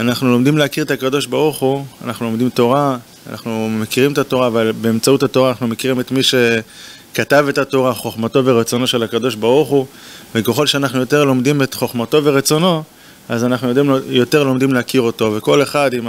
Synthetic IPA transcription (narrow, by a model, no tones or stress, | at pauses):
anaχnulo̞md̪imleakiʁet̪akado̞ʃbaʁuχua̰naχnulo̞md̪imto̞ʁa | a̰nʔa̰χnumekiʁimet̪ato̞ʁaːvalbe̞emt͡sautato̞ʁanaχnume̞kiʁimet̪miʃe̞ | katave̞tato̞ʁaχo̞χmato̞veʁet͡so̞no̞ʃe̞lakado̞ʃbaʁuχuvekeχo̞lʃeanaχnujo̞te̞ʁlo̞md̪ime̞tχo̞χmato̞veʁet͡so̞no̞ | azanaχnujodimjo̞te̞ʁlo̞md̪imleakiʁo̞to̞ve̞ko̞le̞χad̪im